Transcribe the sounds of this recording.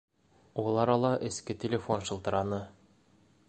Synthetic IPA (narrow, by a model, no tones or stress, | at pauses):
ulˠɑɾɑlˠɑʔɘ̆skɘtʲelʲefonʃɤ̆lˠt̪ɤ̆ɾɑnɤ